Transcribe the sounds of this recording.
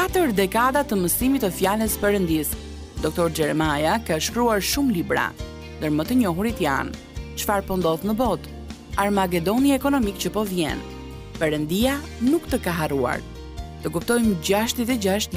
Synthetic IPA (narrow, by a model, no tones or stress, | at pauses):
kat̪əɾd̪ɛkad̪at̪əməsimit̪əfjaləspɛɾənd̪is | d̪ɔk̚t̪ɔɾd͡ʒɛɾɛmajakaʃkɾuaɾʃumlibɾa̰ | nd̪əɾmət̪əɲɔɦuɾit̪ja̰n | t͡ʃfaɾpɔnd̪ɔθnəbɔt̪ | aɾmak̬ɛd̪ɔniɛkɔnɔmikt͡ɕəpɔvjɛ̰n | pɛɾənd̪ia | nukt̪əkaɦarua̰ɾ | t̪əkup̚t̪ɔjmd͡ʑaʃt̪it̪ɛd͡ʑaʃt̪l